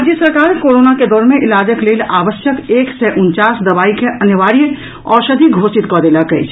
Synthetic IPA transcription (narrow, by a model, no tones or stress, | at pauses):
d͡ʒjəsəɾkaːɾkoɾoːnaked̪ɔːɾmẽʔɪlaːd͡ʒəklelaːʋəsjəkeːksɛʔunt͡ʃasd̪əbaːikeʔənjəʋaɾijə | ɔːɾsəd̪ʱiɡʱosit̪kɔd̪elakɛ̰t͡ʃʰ